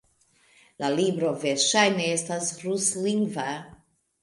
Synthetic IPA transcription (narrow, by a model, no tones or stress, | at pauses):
lalibɾoveɾʃajneestasɾusliŋɡva